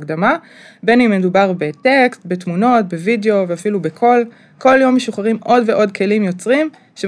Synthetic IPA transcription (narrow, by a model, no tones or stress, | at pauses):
ɡdama | be̞nimːedubaʁbe̞te̞kstbe̞tmuno̞t̚be̞video̞veafilube̞kʰo̞l | ko̞ljo̞mːeʃuχaʁimʔo̞dveʔo̞dkʰe̞limjo̞t͡sʁim | ʃe